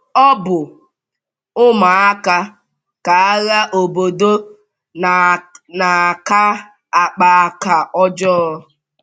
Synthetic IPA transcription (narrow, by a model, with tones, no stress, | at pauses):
ɔ˦bʊ˨ | ʊ˦ma˨a˦ka˦ | ka˨a˦ɣa˦ʔo˨bo˨do˦ | na˨ka˦ | a˨k͡pa˨a˨ka˨ɔ˦d͡ʒɔ˦